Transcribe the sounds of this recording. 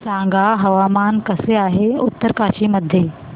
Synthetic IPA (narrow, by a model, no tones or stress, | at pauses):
sãːŋɡaːɦɐʋaːmaːnkɐseaːɦeʊt̪ːəɾkaːʃimɐd̪ʱje